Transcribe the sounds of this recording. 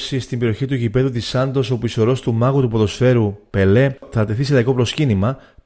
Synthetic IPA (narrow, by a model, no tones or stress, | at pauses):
sist̪imbe̞ɾio̞çit̪uʝipe̞ðut̪isɐnd̪o̞so̞puiso̞ɾo̞st̪umɐɣut̪upoðo̞sfe̞ɾupe̞le̞θɐt̪e̞θisilɐiko̞pɾo̞scinimɐ